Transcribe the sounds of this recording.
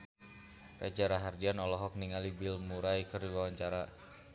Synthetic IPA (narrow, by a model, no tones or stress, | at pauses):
ra̰d͡ʒaɾaɦardianɔlɔɦɔk̚niŋalibilmuɾajkərdiwawaɲt͡ʃaɾa